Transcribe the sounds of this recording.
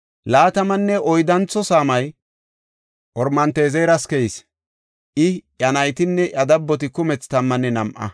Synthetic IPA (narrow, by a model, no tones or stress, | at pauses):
laːt̪ɐmɐnːɛʔɔjd̪ɐnt͡sːɔsaːmɐj | ʔɔɾmɐnt̪eːzejɾɐskɛjɪs | ʔɪʔjɐnɐjt̪ɪnːɛʔɐd̪ɐbːɔt̪̬ɪkʊmɛt͡st̪ɐmːɐnːɛnɐmʔɐ̰